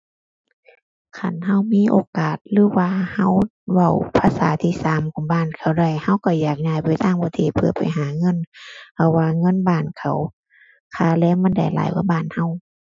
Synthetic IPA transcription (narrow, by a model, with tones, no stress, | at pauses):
kʰa˧˩nha˧˥˨wmiː˧˥˨ʔoː˧˦kaː˨˩t̪̚lɯː˨˦waː˧ha˧˩˨w | wa˧˩wpʰaː˧˨saː˨˦t̪ʰiː˧˨saː˨˦mkʰɔː˨˦nbaː˧˩˨nkʰa˨˩wda˧˩jha˧˥˨wkɔ˧˩jaː˨˩k̚ɲaː˧˩jpa˨˩jt̪aː˧˩˨ŋpʰɔ˧˦t̪ʰeː˧˩t̪̚pʰɯ˧˩ɐpa̰˨˩jɦaː˨˦ŋɤ˧˥˨npʰa˧˩waː˧ŋɤ˧˥˨nbaː˧˥˩nkʰa˨˩w | kʰaː˧˩˨lɛː˧˥˨wma˧˥˨nda̰˧˩jla̰ː˨˦jwaː˧˥˦baː˧˩˨nha˧˥˩w